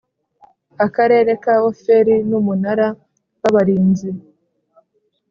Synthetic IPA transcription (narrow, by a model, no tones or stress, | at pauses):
akaɾe̞ːɾe̞kaːwo̞fe̞ɾinumunaɾa | waβaɾiːnzi